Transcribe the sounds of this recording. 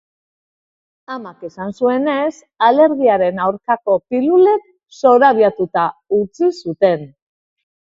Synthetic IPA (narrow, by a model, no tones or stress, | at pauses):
amake̞sansue̞ne̞s | ale̞ɾɣiaɾe̞nawɾkako̞pilule̞k̚ | so̞ɾaβjat̪ut̪aut͡sisut̪e̞n